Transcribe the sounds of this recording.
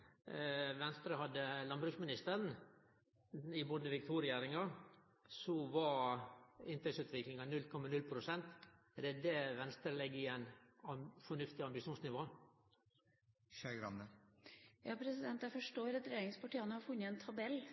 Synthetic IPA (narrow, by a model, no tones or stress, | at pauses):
ʋɛnst̪ɾəɦɑd̪ːəlɑnbɾʉksmɪnɪst̪əɾn | ɪboːd̪əʋɪkt̪ʰuɾɪæːɾɪŋɑ | sɔʋɑ | ɪnt̪ɛksʉːt̪ʋɪklɪŋɑnʉlkʰɔmːɑnʉlpʰɾʊsɛnt̪ | d̪ɛd̪ɛʋɛnst̪ɾəlɛɡːɪæɪnɑfɔɳʉft̪ɪɑmbɪʂuːnsnɪʋoː | ʃæɡɾɑ̰nə | jɑːpʰɾɛsɪd̪ɛnt̪jæfɔʂʈoːɾɑt̪ɾɛjeːɾɪŋspɑʈiːɑnəhɑɾfʉnːəɛnt̪ʰɑbɛl